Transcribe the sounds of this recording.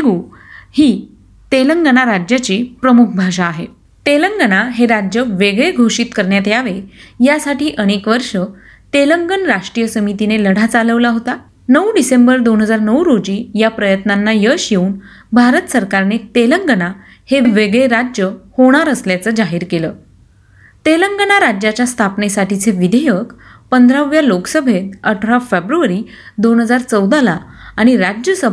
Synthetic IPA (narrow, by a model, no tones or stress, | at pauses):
ɡuː | hiː | t̪eləŋɡənaɾad͡ʑjat͡ɕiːpɾəmuk̚ʰbʱaʂ̬aːɦe | t̪eləŋɡənaɦeɾad͡ʑjəʋeɡɭeɡʱoʂiːt̪kəɾɳjat̪jaʋejasaʈiːʔəɽ̃ekʋəɾʂə | t̪eləŋɡənɾaʂʈɾijəsəmit̪ineləɽ̤ʱat͡saləʋlaɦot̪a | nəwɖisembəɾd̪onɦəd͡zaɾnəwɾod͡ʑiːjapɾəjət̪nanːajəɕjeuːn | bʱaɾət̪səɾkaɾnet̪eləŋɡəna | heʋeɡɭeɾad͡ʑjəhoɽ̃aɾəsljat͡səd͡ʑaɦiːɾkeləː | t̪eləŋɡənaɾad͡ʑjat͡ɕjast̪ʰapnesaʈit͡sʰeʋid̪ʱejəkpənd̪ʱɾaʋjaloksəbʱet̪əʈʰɾafebɾuəɾiː | d̪onɦəd͡zaɾt͡səwd̪ʱalaːɽ̃iɾad͡ʑjəsə